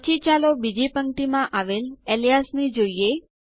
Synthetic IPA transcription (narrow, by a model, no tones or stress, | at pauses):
t͡ʃit͡ʃalobid͡ʒipəŋʈimãʔaʋelelijasnid͡ʒoije